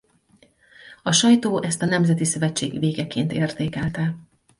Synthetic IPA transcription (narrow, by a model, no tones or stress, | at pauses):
ɒʃɒjt̪oːʔɛst̪ɒnɛmzɛt̪isø̞vɛt͡ʃːḛːɡveːɡɛkeːnt̪eːrt̪eːkɛlt̪ɛ